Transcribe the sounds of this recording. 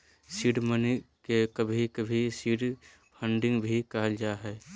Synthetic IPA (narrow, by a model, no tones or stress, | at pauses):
siːɖmənkekɐbʱikɐbʱisiɖ | pʰə̃ɳɖɪ̃ŋɡbʱikɐɦəld͡ʒaːɦɛː